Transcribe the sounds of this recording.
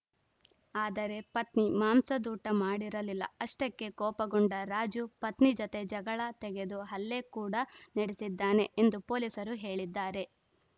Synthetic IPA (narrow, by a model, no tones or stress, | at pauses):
aːd̪ɐɾe̞pɐt̪nimaːmsɐd̪uːʈɐmaːɽiɾɐlilːɐ̰ɐʂʈɐkːe̞kɔːpɐɡɔɳɖɐɾaːd͡ʒupɐt̪nid͡ʒɔt̪e̞d͡ʒɐɡɐɭɐt̪ɛɡe̞d̪uɦɐlːe̞kuːɽɐnɐɽesid̪ːaːne̞ʔend̪upoːlisɐɾuɦe̞ːɭid̪ːaːɾe̞